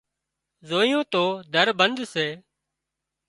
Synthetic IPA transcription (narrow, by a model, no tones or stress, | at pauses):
zoːijõːt̪oːd̪ʱəɾbənd̪seː